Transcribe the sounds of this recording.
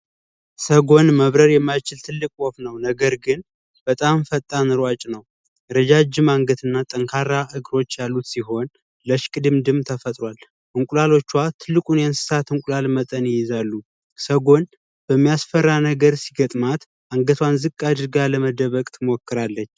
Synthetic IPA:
səɡo̞nməβɾəɾjɛmːajt͡ʃɪlt̪ʰɨlːɨkʼwɔfnəwnəɡəɾɡɨn | b̥ət̪ʼamfət̪ʼːanɨɾwat͡ʃʼnəw | ɾəd͡ʒad͡ʒːɪmaŋɡət̪ʰɨnːat̪ʼəŋkʰaɾaʔɨɡɾo̞t͡ʃːjalːut̪siɦo̞n | ləʃkʼɨd̪ɨmd̪ɨmt̪ʰəfət̪ʼɾʷwal | ʔɨŋkʷʼulalo̞t͡ʃːwat̪ʰɨlːɨkʼunjɛnsɨ̥sat̪ɨŋkʼulalmət̪ʼənjɪjɪzalːu | səɡo̞n | b̥əmːijasfərːanəɡəɾsiɡət̪ʼmat̪ | ʔaŋɡət̪ʰwanzɨkʼːad̪ɨɾɡaləməd̪əβəkʼt̪ʰɨmokːɨɾalːət͡ʃː

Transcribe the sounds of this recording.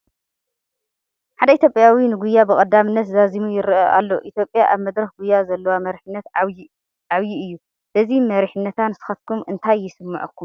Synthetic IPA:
ħad̪ɐit̪ʰʲjopʼjawinɨɡujːabɨkʼɐd̪ːamɨnːɐt̪zazimujɪɾʔɐʔa̰lːoʔit̪ʰjo̞pʼjaʔaβmɐd̪ɾɐxɡujːazɐlːɐwamɐɾħɨnːɐt̪ | ʔaβjiɨjːu | b̥ɐzimɐɾiħɨnːɐt̪ʰanɨsɨ̥xɐt̪̚kʰumɨnt̪ʰajːɪsɨmːɐʕukʰːum

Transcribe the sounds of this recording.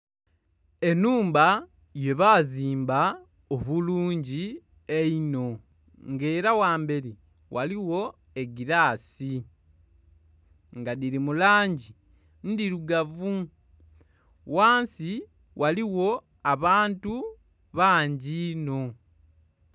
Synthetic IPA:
e̞nuːmba | je̞βaːziːmba | oβuluːɲɟi | eino̞ | ŋɡe̞ːɾawaːmbe̞ɾi | wʔaliwo̞ | e̞ɡiɾaːsi | ŋɡadiɾimulaːɲɟi | ndiɾuɡavu | waːnsi | wʔaliwo̞ | aβaːntu | βaːɲɟino̞

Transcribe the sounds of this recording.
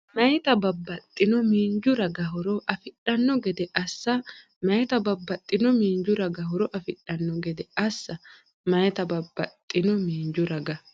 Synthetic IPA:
mɐjt̪ɐbɐbːɐt̪ʼːɪnɔmiːnd͡ʒʊɾɐɡɐɦɔɾɔʔɐfɪᶑɐnːɔɡɛd̪ɛʔɐsːɐ | mɐjt̪ɐbɐbːɐt̪ʼːɪnɔmiːnd͡ʒʊɾɐɡɐɦɔɾɔʔɐfɪᶑːɐnːɔɡɛd̪ɛɐsːɐ | mɐjt̪ɐbɐbːɐt̪ʼːɪnɔmiːnd͡ʒʊɾɐɡɐ

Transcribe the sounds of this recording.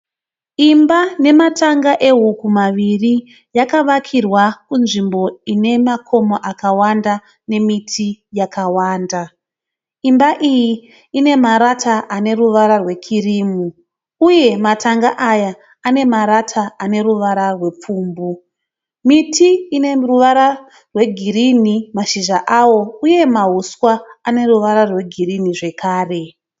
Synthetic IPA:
imbane̞matʰaŋɡaʔe̞ɦukumaʋiri | jakaʋakʰirwakunʐimbo̞ine̞makʰo̞moʔakawanda | ne̞mitʰijakawaːnda | imbaʔiji | ine̞maɾatʰaʔane̞ruʋaɾarwe̞kʰiriːmu | uje̞matʰaŋɡaʔaja | ane̞maɾatʰaane̞ɾuʋaɾarwe̞p͡fuːmbu | mitʰiːne̞ruʋaɾa | rwe̞ɡʱiɾinimaʃiʒaʔawo̞uje̞maɦuswaːne̞ruʋaɾarwe̞ɡʱiriniʐe̞kʰaːre̞

